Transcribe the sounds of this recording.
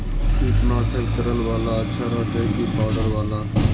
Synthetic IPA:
kʰiːpnaːsʰəlkəɾəlʋaːlaːətːʃʰaːɾaːt͡ʃəkiːpaːɖəɾʋaːlaː

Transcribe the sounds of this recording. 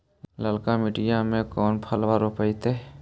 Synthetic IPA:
ləlkamɪʈɪjamẽkɔːnpʰəlʋaɾopəit̪e

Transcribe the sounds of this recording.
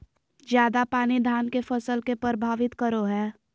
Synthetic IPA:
zjaːd̪apaːnid̪ʱaːnkefəsəlkepəɾəbʱaːʋɪt̪kəɾoɦɛː

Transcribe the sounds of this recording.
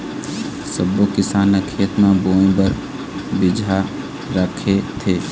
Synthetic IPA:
səbːokɪsaːnəkʰeət̪mãbõːbəɾ | bɪd͡ʒʱa | ɾəkʰet̪ʰeː

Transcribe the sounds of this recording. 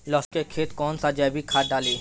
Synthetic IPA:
lɔːskekʰeːt̪kɔːnsad͡ʒɛːbʱikʰaːʈ̚ɖaːleː

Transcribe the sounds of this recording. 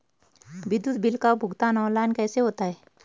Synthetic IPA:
bɪd̪ʊt̪̚bɪlkabʱʊɡt̪aːnɔ̃ːlaːnkɛːseɦoːt̪aɦɛː

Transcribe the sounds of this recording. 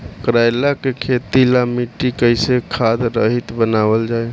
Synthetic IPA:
kɾajlakekʰet̪ilamiʈːikəɪsekʰad̪ɾəɦit̪bənabəld͡ʒae

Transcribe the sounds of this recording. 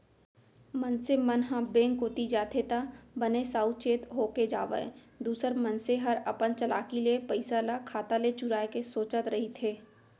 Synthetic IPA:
mənsemənɦãbẽːŋkoːt̪id͡ʒaːt̪ʰet̪abənesaːut͡ʃeːt̪ɦoːked͡ʒa̰ːʋə̰ḛ̃ | d̪uːsəɾmənseɦɐɾɐpənt͡ʃɐla̰ːkilepəɪsalakʰaːt̪alet͡ʃʊɾaːekesoːt͡ʃət̪ɾɐɦit̪ʰeː

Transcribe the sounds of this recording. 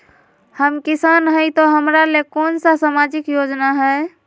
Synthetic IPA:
həmkisanɦəjt̪ɔɦəmɾalekoːnsasamad͡ʒikjod͡ʒnaɦɛ

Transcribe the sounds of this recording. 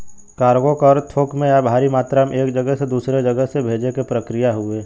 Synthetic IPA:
kaːɾɡokɔːɾt̪ʰoːkmẽjabʱaːɾimaːt̪ɾamẽeːkd͡ʒəɡəɦsed̪uːsɾed͡ʒɐɡəsebʱeːd͡ʒekepɾəkɾɪjaɦʊeː

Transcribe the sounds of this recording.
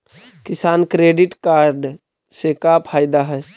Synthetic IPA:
kɪsaːnkɾeːɖɪʈkaːɾɖ | sekapʰaːɪd̪aɦɛː

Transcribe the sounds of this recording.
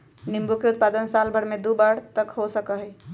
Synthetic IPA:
nimbukeut̪̚pad̪ənsalbʱəɽmed̪ubaɽt̪əkɦosəkəɦɛ

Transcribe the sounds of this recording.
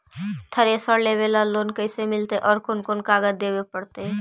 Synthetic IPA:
t̪ʰəɾesəɽleʋeːlaloːnkəɪsemɪlt̪eʔɔːɾkʊnkʊnkaːɡət̪̚d̪eːwepəɽt̪e

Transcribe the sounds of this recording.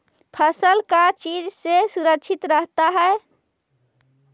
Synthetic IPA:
pʰəsəlkat͡ʃid͡ʒsesuɾəkːʃʰit̪ɾəɦt̪aɦɛe

